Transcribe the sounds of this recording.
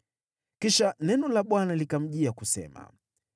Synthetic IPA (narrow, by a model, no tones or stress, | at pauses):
kiʃanɛnɔlaɓwanalikam̩ʄiakusɛ̰ma̰